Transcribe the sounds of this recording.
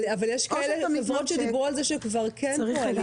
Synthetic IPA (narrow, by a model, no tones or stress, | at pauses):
avaljeʃkaeleevʁot̪ʃed̪ibʁualzeʃekvaʁkʰɛnial